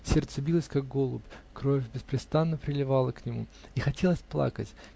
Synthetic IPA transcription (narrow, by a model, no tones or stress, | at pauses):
sʲert̪səbʲilˠəsʲkaɡ̚ɡo̞lˠʊpkɾo̞fʲbʲɪspɾʲɪst̪anːəpɾʲɪlʲɪvalˠəknʲɪmṵixɐtʲe̞lˠəsʲplˠa̰kətʲ